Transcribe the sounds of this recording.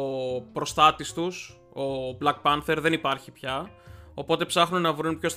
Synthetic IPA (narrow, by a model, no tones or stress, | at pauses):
opɾo̞st̪ɐt̪ist̪us | o̞blɐk̚pɐnθe̞ɾðe̞nipɐɾçipçɐo̞po̞t̪e̞psɐxnunnɐvɾunpço̞st̪